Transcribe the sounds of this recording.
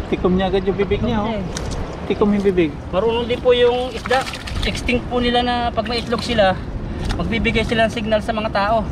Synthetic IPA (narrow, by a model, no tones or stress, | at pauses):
t̪ɪkomɲaɐɡad̪jʊbibɪɡɲao | t̪ɪkomjʊbibɪɡ̚ | mɐɾʊnʊnd̪ɪpʊjʊŋɪsd̪aʔ | ʔɛkst̪ɪŋk̚pʊnɪlanɐpɐɡ̚mɐʔɪt̪loɡsɪla | mɐɡ̚bibɪɡajsɪlaɐŋsɪɡ̚nalsɐmɐŋat̪aːʔo̞